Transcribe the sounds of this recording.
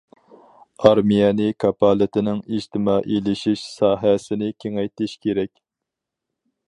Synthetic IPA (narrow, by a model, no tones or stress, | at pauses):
ɑɾmijɛnɪkʰɑpɑːlˠɪt̪ʰɪnɪŋiʒt̪ʰɪmɑːʔelɪʃiʃsɑːɦɛsɪnɪkʲʰeŋɛjt̪ʰɪʃkʲʰeɾɛkʲ